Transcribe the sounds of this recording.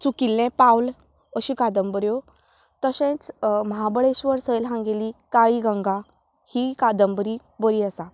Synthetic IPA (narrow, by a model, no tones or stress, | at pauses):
t͡sukilːɛ̃pawl | əɕikad̪əmbəɾjo | t̪əɕẽt͡sməɦabəɭeɕʋəɾsəjlɦãŋɡelikaɭiɡə̃ŋɡa | hikad̪əmbəɾi | bəɾiəsa